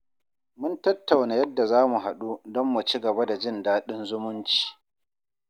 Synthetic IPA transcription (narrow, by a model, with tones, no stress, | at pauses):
mʊ˦ntɐ˦tːa˨wnaː˨jɐ˦dːa˨zaː˦mu˨ɦa˨ɗu˦dɔ˦mːu˨t͡ʃi˦ɡɐ˨ba˦da˨d͡ʒɪ˦˨ndaː˦ɗɪ˦nzʊ˦mʊ˦nt͡ʃi̥ː˨